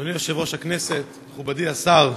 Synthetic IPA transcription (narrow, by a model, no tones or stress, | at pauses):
onijo̞ʃevo̞ʃhakneset̪meχubadiasaʁ